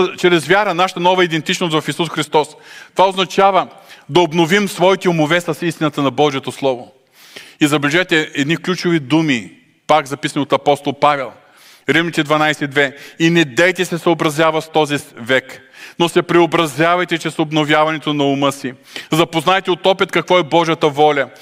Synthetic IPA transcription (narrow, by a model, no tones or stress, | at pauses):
t͡ʃɾɛzvjaɾənaʃə̥t̪ɐnɔvɐid̪ɛnt̪it͡ʃnost̪vɐfisusxɾist̪ɔst̪ovaoznɐt͡ʃavəd̪ɐobnovimsvɔit̪ɛumovɛsɐsist̪inɐt̪ənɐbɔʒiɛt̪oslˠɔvo | izɐblʲʒɛjt̪ɛɛd̪niklʲut͡ʃʊvid̪umi | pakzɐpisɐniot̪ɐpɔst̪olˠpavɛlˠ | ɾivmit̪ɛd̪vɐnajsɛd̪vɛinɛd̪ɛjt̪ɛsɛsɐobɾɐzjavɐst̪ɔzivɛknosɛpɾɛobɾɐzʲjavɐjt̪ɛt͡ʃɛsobnovʲjavɐnɛt̪onɐʊmɤsi | zɐpoznajt̪ɛot̪ɔpit̪kɐkvɔɛbɔʒijət̪ɐvɔlʲɐ